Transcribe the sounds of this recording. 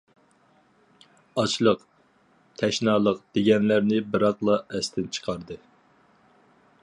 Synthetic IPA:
ɑt͡ʃlˠəq | t̪ʰɛʃnɑːlˠəqd̪̥eɡʲɛnlæɾnɪbɨɾɑqlˠɑʔɛst̪ʰɪnt͡ʃʰə̥qʰɑɾd̪ɨ

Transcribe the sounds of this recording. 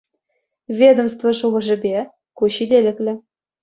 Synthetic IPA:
vʲed̪ŏmst̪voʂuʁɤ̆ʐɘ̆bʲe | kuɕid̪ʲelʲɘ̆klʲɘ̆

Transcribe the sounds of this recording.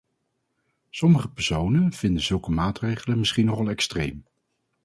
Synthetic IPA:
sɔməχəpɛɹsownənv̥ɪndəz̥ɵlˠkəmaːtrejχələnmɪsχinɔχɑlˠɛkstrejm

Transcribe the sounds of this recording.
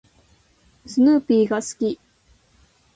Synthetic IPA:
sɨnɯːpʲiːɡasɨ̥kʲi

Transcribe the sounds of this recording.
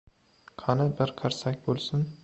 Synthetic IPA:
kʰɑnɪbɪɾqʰɑɾsakʲbolˠsʊn

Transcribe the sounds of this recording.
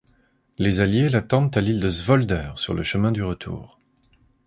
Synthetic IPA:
lezaljelat̪ɑ̃d̪t̪alild̪əzvɔld̪œːʁsyʁlə̰ʃəmɛ̃d̪yʁət̪ʰṵːʁ

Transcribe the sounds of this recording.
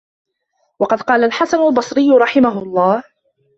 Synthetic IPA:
wɑqɑd̪qɑːlalħasanalbɑsˤɾɪjːʊɾˤɑħɪmaɦʊlˤːɑːh

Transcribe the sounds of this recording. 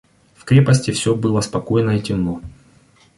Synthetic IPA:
fkɾʲe̞pɐsʲtʲɪfsʲɵbɨlˠɐspɐko̞jɪnəitʲɪno

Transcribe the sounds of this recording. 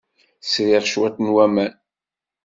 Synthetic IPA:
sɾɪʁʃwæt̪nwæmæn

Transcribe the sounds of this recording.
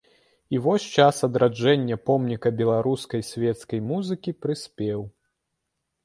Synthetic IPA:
ivɔsʲt͡ʂasɐd̪ɾad͡ʐɛnʲːɐpɔmnʲikɐbʲɛlˠaɾuskɐjsʲvʲɛt̪skɐjmuzɨkʲipɾɨsʲpʲɛw

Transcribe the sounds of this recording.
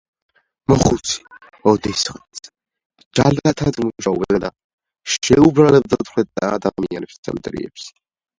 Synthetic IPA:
mɔχut̪sʰi̥ | ɔd̪ɛsχɛt̪s | d͡ʒalat̪ʰad̪muʒaubɛɡad̪a | ʃɛubɾalɛb̚d̪at̪χwɛd̪̚d̪aːd̪amianɛpst̪sʰɛ̰md̪ɾḭɛ̰ps

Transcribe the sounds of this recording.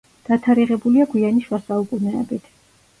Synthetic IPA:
d̪̥at̪ʰaɾiʁɛbuliaɡwianiʃwasaukʼunɛɛ̰bit̪ʰ

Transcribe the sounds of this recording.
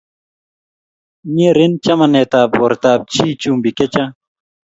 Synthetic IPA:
ɲeɾint͡ɕɐmɐneːt̪aːboɾt̪aːb̚t͡ɕʰiːt͡ɕuːmbiket͡ɕã

